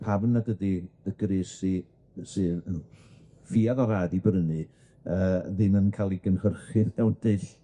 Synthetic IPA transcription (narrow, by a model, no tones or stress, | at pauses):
pʰavnːaɡədiðəɡ̥ɾɨsi | sɨːən | fiːaðɔɾaːdibɾənɨ | əːðɪmənkʰalˠiɡənhərχɨðɛwnd̥ɨɬ